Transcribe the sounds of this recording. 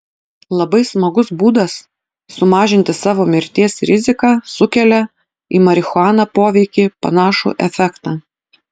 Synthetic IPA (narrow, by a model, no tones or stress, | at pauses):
lˠɐbɐɪsmɐɡʊsbuːd̪ɐsː | ʊmɑːʒʲɪnʲt̪ʲɪsɑːʋoːmʲɪɾʲt̪ʲiɛsɾʲɪzʲɪkɑːsʊkʲɛlʲɛ | ḭːmɐɾʲɪxʊɑːnɑːpoːʋʲɛɪkʲiːpɐ̰nɑːʃṵʔɛfʲækt̪ɑː